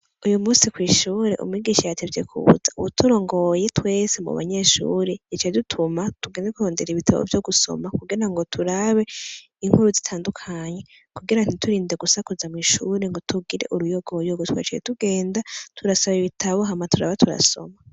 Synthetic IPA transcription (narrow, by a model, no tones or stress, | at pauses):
ujumuːnsikwiːʃuːɾe̞̰ʔṵmuwiɡiːʃajatʰevjḛkʰṵβṵzauβutʰuɾo̞ːŋɡo̞je̞twe̞ːse̞mṵβa̰ɲe̞ʃṵːɾejit͡ʃajedutʰumatuɡeːndekuho̞ːnde̞ɾiβitʰaβo̰vjo̞ɡuso̞̰makuɡiɾaŋɡo̞tʰuɾaβe̞ | iŋhuɾuzitʰaːndukʰaːɲe̞ | kuɡiɾan̥itʰuɾiːnde̞ɡusakuzamwiːʃuːɾeŋɡotuɡiɾe̞̰ʔuɾujoɡojoɡotwa̰t͡ʃajḛtuɡe̞ːndatʰuɾasaβiβitʰaβo̞ɦamatuɾaβatʰuɾa̰so̞̰ma